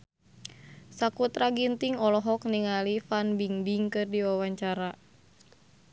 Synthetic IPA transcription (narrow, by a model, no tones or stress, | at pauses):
sakut̪ɾaɡint̪iŋɔlɔɦɔkniŋalifanbiŋbiŋkɨrdiwawaɲt͡ʃaɾa